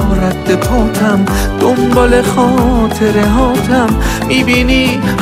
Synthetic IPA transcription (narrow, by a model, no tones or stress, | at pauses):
ɾæt̪̚d̪epʰɔːt̪ʰæm | d̪̥ombɒːlexɔːt̪ʰe̞ɾeɦɒːt̪ʰæmː | iːbiːni